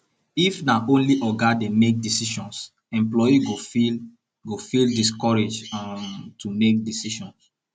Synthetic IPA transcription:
ifnaʔõnliʔɔɡademek̚disiʃɔ̃ns | ɛ̃mplɔjiɡofil | ɡofildis̬kɔɹed͡ʒamtumek̚disiʃɔ̃ns

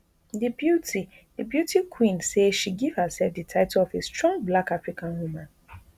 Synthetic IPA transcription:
dibjuti | dɨbjutʰikʰwĩnseʃiɡiv̥həsɛlfdɨtʰaɪtolɔvestɹɔ̃ŋblakafɹikãnwumãn

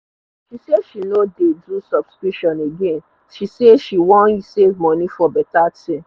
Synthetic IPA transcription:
ʃiseʃinodedusɔb̥skɹiʃɔ̃neɡẽn | ʃiseʃiwɔ̃nisevmɔ̃nĩfɔbɛtatĩm

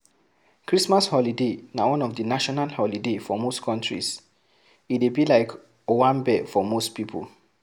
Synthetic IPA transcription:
kʰɹismashɔlidenawɔ̃nɔfdənaʃɔnalhɔlidefɔmostkʰɔ̃ntɹḭs | idebilaɪk | owãmbɛfɔmostpipʰo̰l

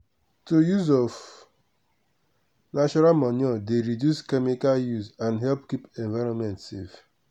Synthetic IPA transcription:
tojuzɔv | nat͡ʃɔɾalmanɔdeɾidjuskɛmikaljuzãnɦɛlpkipɛ̃ɱvaɪɾɔ̃nmɛ̃ntsḛf

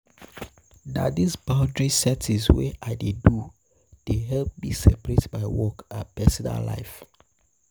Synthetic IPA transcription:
na̰disbãʊ̃ndɹisɛtiswḛʔaɪdedu | d̥eɦɛlp̚bisɛpɹetbaɪwɔkapɛsɔna̰la̰ɪf

